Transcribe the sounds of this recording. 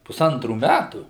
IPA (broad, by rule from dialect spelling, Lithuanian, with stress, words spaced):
pʊˈsɐntruː ˈmʲætuː